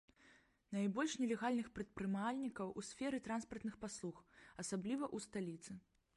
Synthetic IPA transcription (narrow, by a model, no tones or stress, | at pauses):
najbɔlʲʂnʲɛlʲɛɣalʲnɨxpɾɛt̪̚pɾɨmalʲnʲikɐwʔusʲfʲɛɾɨt̪ɾanspɐrt̪nɨxpaslˠuxɐsablʲivɐʔust̪alʲit̪sɨ